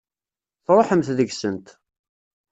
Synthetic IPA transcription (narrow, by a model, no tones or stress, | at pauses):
θɾˤoħəmθðəɡsənt̪